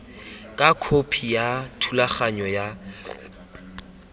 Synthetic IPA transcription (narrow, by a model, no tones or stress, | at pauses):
kʼakʰopʰijatʰulaχaɲɔja